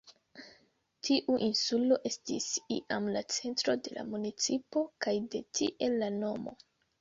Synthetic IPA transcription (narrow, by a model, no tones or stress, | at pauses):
tʰiʔuʔinsulo̞ʔe̞stḭsḭʔamlat͡se̞ntɾo̞de̞la̰munit͡sipo̞kajde̞tʰḭʔe̞lːano̞mo̞̰